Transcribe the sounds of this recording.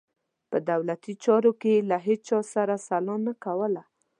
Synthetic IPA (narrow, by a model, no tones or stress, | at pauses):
pəd̪awlat̪it͡ʃɑɾokelaɦet͡ʃɑsaɾasalɑnakawəla